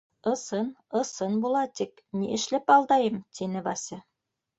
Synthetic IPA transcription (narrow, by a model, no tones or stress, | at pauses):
ɤ̆sɤnɤ̆sɤnbulˠɑt̪ik | nḭʔɘ̆ʃlɘpɑlˠd̪ɑjɤmt̪ʰinɘβɑsʲɘ